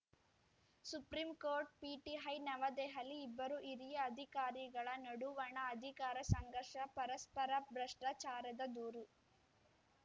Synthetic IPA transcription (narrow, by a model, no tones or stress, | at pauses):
supɾimkoːɾʈ̚piːʈiɦɐjnɐʋɐd̪ɛːɦɐliːbːɐɾuʔiɾijɐːd̪ʱikaːɾiɡɐɭɐnɐɽuʋɐɳɐːd̪ʱikaːɾɐsɐŋɡɐɾʂɐpɐɾɐspɐɾɐbɾɐʂʈɾɐt͡ʃaːɾɐd̪ɐd̪uːɾu